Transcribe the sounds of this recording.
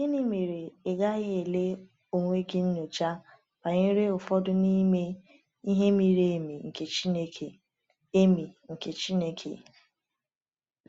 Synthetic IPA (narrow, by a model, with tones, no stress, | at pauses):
ɡi˦ni˦me˨ɾe˨e˨ɡa˦ɣɪ˦e˨le˦ | o˨ŋʷe˦ɡɪ˦n̩˦no˨t͡ʃa˦ | pa˨ɲe˦ɾe˦ʊ˨fɔ˦dʊ˦ni˦me˦ | i˦ɦe˦mi˨ɾe˦˨mi˨ŋ̩˨ke˨t͡ʃi˦ne˦kʰe˨ | e˦mi˨ŋ̩˨ke˨t͡ʃi˦ne˦kʰḛ˨